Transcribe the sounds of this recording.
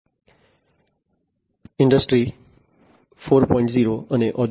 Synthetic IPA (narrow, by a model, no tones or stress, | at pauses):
ɪ̃ɳɖəsʈɾi | foːɾpɔːɪ̃ɳʈziːɾoəneʔɔd